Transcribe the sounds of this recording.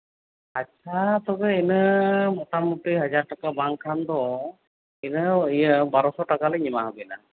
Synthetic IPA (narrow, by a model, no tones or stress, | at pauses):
atːt͡ʃʰat̪ɔɡəinəmɔt̪amut̪iɦəd͡ʒaɾʈakabaŋkʰand̪ɔ | inəijəbaɾɔsɔʈakalɛɲimaɦəbɛna̰